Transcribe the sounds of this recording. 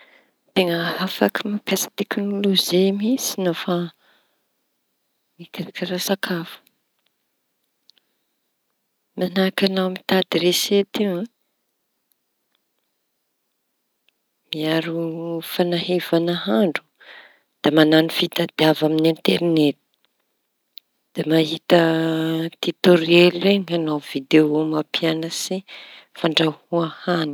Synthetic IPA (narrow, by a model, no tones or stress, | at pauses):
t̪eŋəafakʰimapjasə̥t̪eknoloʒemisi̥nofa | mikaɾakiɾasakʰafə̥ | manakanawmit̪ad̪iɾeset̪iwã | miaɾufanaɦevanəɦaɳɖ͡ʐu̥ | d̪̥amananifit̪ad̪iavaminint̪eɾinet̪i̥ | d̪̥emaɦit̪ə | t̪it̪oɾeleŋanawv̥id̪eomapianəsi | faɳɖ͡ʐahuahani̥